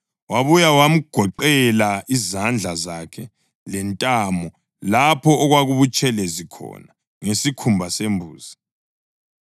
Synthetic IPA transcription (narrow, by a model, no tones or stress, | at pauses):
waβujawam̩ɡ̥ʱɔǃɛlaizand͡ɮʱazakʰɛ | lɛntʼamɔ | lapʰɔːɣwaɣuβut͡ʃʼɛlɛzikʰɔ̰na | ŋesikʰumbʱasembʱṵːzi